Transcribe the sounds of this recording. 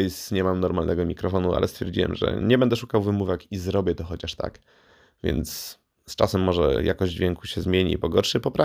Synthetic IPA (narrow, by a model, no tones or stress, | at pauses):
jsɲɛmamnɔɾmalnɛɡɔmʲikɾɔfɔnua̰lʔɛst̪fʲɛɾd͡ʑiwɛ̰mʐɛ̰ɲɛbɛnd̪ɛʂukawvɘmuvɛkizɾɔbʲjɛt̪ɔxɔt͡ɕaʂt̪a̰k | vʲjɛ̰nt̪sː | t͡ʂasɛmːɔʐɛ̰jakɔʑd͡ʑvʲɛŋkuɕɛzmʲjeɲḭpɔɡɔɾʂɘpɔpɾa